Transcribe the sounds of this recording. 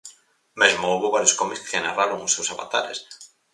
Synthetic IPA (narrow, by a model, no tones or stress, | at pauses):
mezmouβoβaɾjoskɔmikskenaraɾoŋʊsːewsaβa̰t̪a̰ɾḛs